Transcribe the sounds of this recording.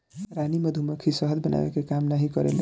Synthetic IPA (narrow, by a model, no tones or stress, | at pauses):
ɾanimʌd̪ʱumʌkʰisʌɦəd̪bəna̰wḛkekamnaɦikʌɾḛl